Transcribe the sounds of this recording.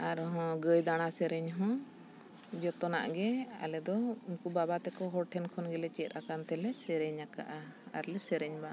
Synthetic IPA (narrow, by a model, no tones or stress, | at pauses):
aɾɦɔ̃ɡəjd̪aɽ̃asɛɾɛɲɦɔ̃ | d͡ʒɔt̪ɔna̰ʔɡɛa̰lɛd̪ɔumkubabat̪ɛkɔɦɔɾʈʰɛnkʰɔnɡɛlɛt͡ʃɛt̪̚akant̪ɛlɛsɛɾɛɲaka̰ʔaa̰ɾlɛsɛɾɛɲba